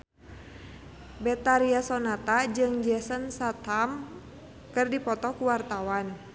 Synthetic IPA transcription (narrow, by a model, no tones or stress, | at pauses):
bɛt̪aɾiasɔnat̪ad͡ʒɨŋd͡ʒɛsənsat̪ham | kɨrdipɔt̪ɔkuwart̪awan